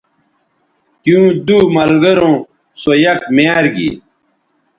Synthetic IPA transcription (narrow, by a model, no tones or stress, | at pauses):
kjũːd̪umɐlɡɐɾõː | sojɐkmjaːɾɡḭ